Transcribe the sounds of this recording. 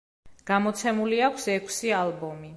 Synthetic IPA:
ɡ̥amɔt̪sʰɛmuliakʷʰsɛkʰsialbɔmi

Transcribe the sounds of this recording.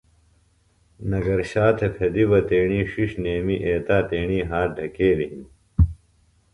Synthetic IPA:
nɐɡɐɾɕaːt̪ʰepʰed̪ibɐt̪eːɳiːʂiʂneːmiʔeːt̪aːt̪eːɳiːɦaːɖʱɐkeːliɦim

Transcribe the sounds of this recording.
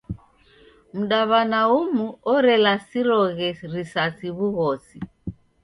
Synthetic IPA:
m̩ɗaβanaumuɔɾɛlasiɾɔɣɛɾisasiβuɣɔsi

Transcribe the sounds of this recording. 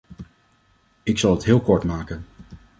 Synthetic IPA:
ɪksɑlˠətɦɪːlˠkɔɹtmaːkən

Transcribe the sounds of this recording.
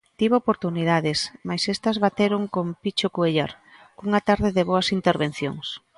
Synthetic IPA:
t̪iβopoɾt̪uniðaðɪsmajsest̪ɐzβat̪eɾoŋkompit͡ʃokueʎaɾ | kuŋɐt̪aɾðɪðɪβoɐsint̪eɾβen̟θjo̰ŋs

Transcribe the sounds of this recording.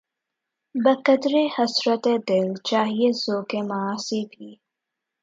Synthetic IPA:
bɐkɐd̪ɾehɐsɾɐt̪ed̪ɪlt͡ʃaːɦiezoːkemaːsibiː

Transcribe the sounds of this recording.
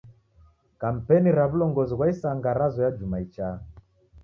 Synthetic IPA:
kam̩pɛniɾaβulɔŋɡɔziɣwaisaŋɡaɾazɔjad͡ʒumait͡ʃa

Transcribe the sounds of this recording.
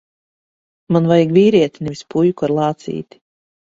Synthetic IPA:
manvajiɡviːɾiɛt̪ʲnɛvispujkuaɾlˠɑːt̪sḭːt̪i̥

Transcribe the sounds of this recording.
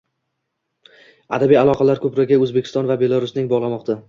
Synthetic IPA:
a̰d̪abijalˠɒqʰɑlaɾkʰɵpɾɒɡʲaɵzbekʲɪ̥st̪ɒnvabe̞lˠaɾʊsnɪŋbɒʁlˠamɒqt̪a

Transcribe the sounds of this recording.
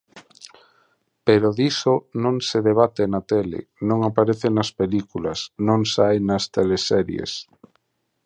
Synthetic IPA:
peɾoðisonõŋseðeβ̞at̪enat̪elḛnõŋapaɾeθenɐspelikulɐ̰snõŋsajnɐst̪elesɛɾjḛs

